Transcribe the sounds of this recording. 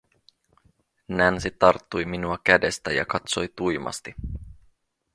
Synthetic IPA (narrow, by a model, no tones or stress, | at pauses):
nænsit̪ɑrt̪ːujminuɑk̟æde̞st̪æjɑ̰kɑt̪so̞jt̪ujmɑ̰st̪i